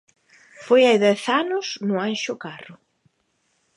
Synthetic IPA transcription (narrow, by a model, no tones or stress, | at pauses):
fojajðɛθanʊsnʊanʃʊkarʊ